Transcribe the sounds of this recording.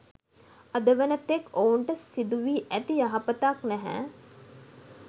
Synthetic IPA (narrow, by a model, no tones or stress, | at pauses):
ɐd̪əʋənət̪ekouɳʈəsid̪uʋiːʔæt̪ijaɦapət̪aknæɦæ̰ː